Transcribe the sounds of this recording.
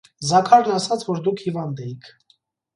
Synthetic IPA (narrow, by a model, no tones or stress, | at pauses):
zɑkʰɑɾnɑsɑt͡sʰvɔɾd̪ukʰhivɑnd̪ɛjikʰ